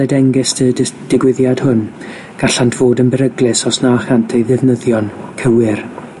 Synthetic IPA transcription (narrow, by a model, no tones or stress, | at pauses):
ɛdɛŋɡɪstədd̥ɪɡwɪðjad̥hʊn | ɡ̥aɬantʰv̥oːdənbɛɾəɡlˠɪsɔsnaχantʰejðɪvnəðjɔnkʰəwɪr